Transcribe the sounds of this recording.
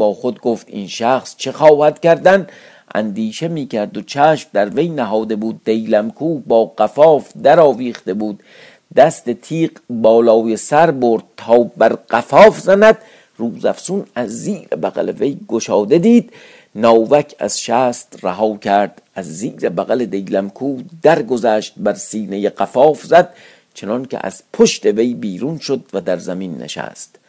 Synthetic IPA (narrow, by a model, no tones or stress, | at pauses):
bɒːxo̞d̪ɡoft̪ḭːnʃæχst͡ʃʰe̞xɒːhæd̪̥cæɾd̪æn | ʔæ̰nd̪iːʃe̞miːkʰæɾd̪ot͡ʃʰæːʃmd̪æɾve̞jnæɦɒːd̪e̞buːd̪̚ːe̞jlæmkʰuːbɒːɢæfɒːfd̪æɾɒːviːχt̪ebuːd̪̥ | d̪æst̪e̞t̪ʰiːɢbɒːlɒːjesæɾboɾd̪̥̚t̪ʰɒːbæɾɢ̥æfɒːfzænæd̪̥ | ruːzæfsunæzːiːɾḛbæɣæ̰leve̞jɡoʃɒːd̪e̞d̪iːd̪̥ | nɒːvækʰæ̰z̥ʃæːst̪ræɦɒːcʰæɾd̪̥æzːiːɾebæɣæled̪e̞jlæmkʰuːd̪̥æɾɡozæːʃt̪̚bæɾsiːnejeɢæfɒːfzæd̪̥̚ | t͡ʃʰe̞nɒncʲʰḛʔæ̰z̥pʰoʃt̪e̞ve̞jbiːɾunʃod̪væd̪æɾzæminːḛʃæ̰ːst̪